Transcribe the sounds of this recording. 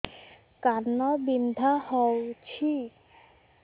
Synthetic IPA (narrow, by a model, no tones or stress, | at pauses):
kaɾnɔbind̪ʱahɔwt͡ɕʰi